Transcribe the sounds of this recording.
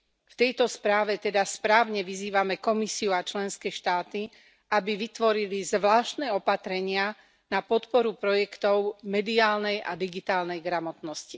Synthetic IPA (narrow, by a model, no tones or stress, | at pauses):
ft̪ɛjt̪ɔspɾaːʋɛt̪ɛd̪aspɾaːʊɲɛʋiziːʋamɛkɔmisiuat͡ʃlɛnskɛːʃt̪aːt̪i | abiʋit̪ʋɔɾilizʋlaːʃt̪nɛɔpat̪ɾɛɲɪa | napɔt̪pɔɾupɾɔjɛkt̪ɔʊmɛd̪iaːlnɛjʔa̰d̪iɡit̪aːlnɛjɡɾamɔt̪nɔsci